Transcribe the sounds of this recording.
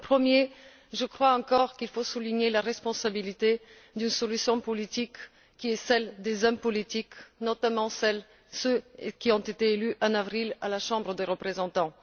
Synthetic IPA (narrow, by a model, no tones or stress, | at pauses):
pχəmje | ʒəkχwaɑ̃kɔʁkilfosuliɲelaʁɛspɔ̃sabilit̪e | d̪ynsɔlysjɔ̃pɔlit̪ikː | iɛsɛld̪ezɔmpɔlit̪iknɔt̪amɑ̃sɛl | søkʲiɔ̃t̪et̪eːlyʔɑ̃navʁilalaʃɑ̃bʁəd̪eʁəpχezɑ̃t̪ɑ̃